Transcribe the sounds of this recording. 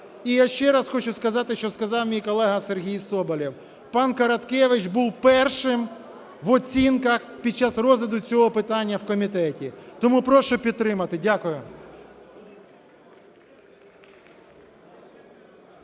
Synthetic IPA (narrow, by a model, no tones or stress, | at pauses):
ijaʃt͡ʃɛɾɐsxɔt͡ʃʊskɐzɑt̪ɪʃt͡ʃɔskɐzɑwmʲijkɔlˠɛɦɐserɦʲijsɔbɐlʲiw | pɑnkɐɾɐt̪kɛʋɪt͡ʃbuwpɛrʃɪm | ʋɔt͡sʲinkɐxpʲid̪̚t͡ʃɑsrɔzʋʲɪd̪ʊt͡sʲɔɦɔpɪt̪ɑnʲːɐwkɔmʲit̪ɛtʲit̪ɔmupɾɔʃʊpʲid̪̚t̪ːɾɪmɐt̪ɪdʲakʊjʊ